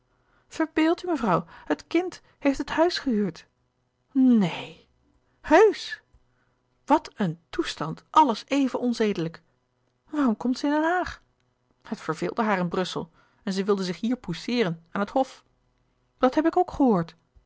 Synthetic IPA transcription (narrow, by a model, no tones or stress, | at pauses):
v̥əɹbeːlˠtyməvrɑwhətkɪnt | hejftəthœɥsχəɦyːɹt | nej | høɥs | ʋɑtʰəntustɑntʔɑləsejvənʔɔnzejdələk | ʋaːrɔmkɔmtsəɪndɛnɦaːχ | hətfəɹvɪ̰ːlˠdəɦaːɾɪnbrɵsə̰lˠ | ɛnzɛjʋɪlˠdəzɪχɦiːɹpusɪːɾənaːnɦəthɔf | d̥ɑtɦɛpɪkowkχəɦoːɹt